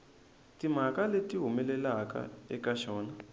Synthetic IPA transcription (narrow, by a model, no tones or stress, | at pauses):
tim̤akaletiɦumɛlɛlaka̰ɛkaʃɔːna